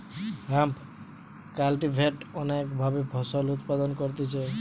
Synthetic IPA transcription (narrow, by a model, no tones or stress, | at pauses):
ɦamp | kalʈibʱeʈɔnakbʱabebʱɔsɔlut̪pad̪ɔnkɔɾt̪et͡ʃʰae